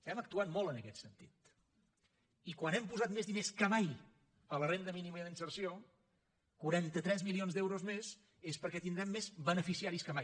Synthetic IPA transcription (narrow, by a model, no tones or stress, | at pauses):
t̪ɛmək̚t̪uat̪mɔlˠənəkɛt̪sənt̪it̪ | ikwanɛmpuzat̪mezðineskəmaj | pələrend̪əminiməðinsəɾsio | kuɾant̪ət̪ɾɛzmilionzd̪ɛwɾozmez | espəɾkɛt̪ind̪ɾɛmːezβənəfisiaɾiskəmaj